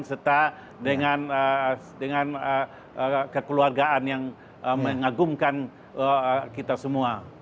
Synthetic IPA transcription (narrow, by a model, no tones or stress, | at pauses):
nsərt̪a | dəŋanə | dəŋanə | kəkəluarɡaʔanjaŋ | əməŋaɡumkan | kit̪asəmua